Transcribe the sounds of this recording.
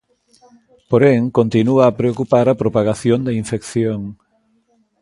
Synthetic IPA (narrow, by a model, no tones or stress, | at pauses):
poɾeŋkont̪inuaːpɾeokupaɾɐpɾopaɣaθjond̪ɐiɱfekθjoŋ